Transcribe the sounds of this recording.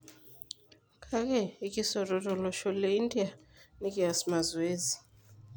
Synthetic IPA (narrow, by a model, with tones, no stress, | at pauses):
kʰʼa˦kɛ˦˨i˦kʼi˦sɔ˨tʼɔ˨tʼɔ˨lɔ˨ʃɔ˦le˦i˦ndʼi˦a˨ni˦kʼi˦a˨sma˨zweː˦zi˨